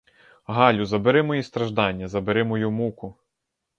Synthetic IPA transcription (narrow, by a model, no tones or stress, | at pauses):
ɦɑlʲʊzɐbeɾɪmɔjist̪ɾɐʒd̪ɑnʲːɐzɐbeɾɪmɔjumukʊ